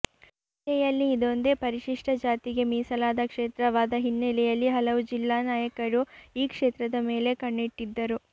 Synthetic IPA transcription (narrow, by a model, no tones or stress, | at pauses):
t̪ɛjɐlːiːd̪o̞nd̪e̞pɐɾiʃiʂʈɐd͡ʒaːt̪iɡe̞miːsɐlaːd̪ɐkʂeːt̪ɾɐʋaːd̪ɐɦinːelɛjɐlːiɦɐlɐʋud͡ʒilːaːnaːjɐkɐɾuiːkʂeːt̪ɾɐd̪ɐmeːle̞kɐɳːiʈːid̪ːɐɾu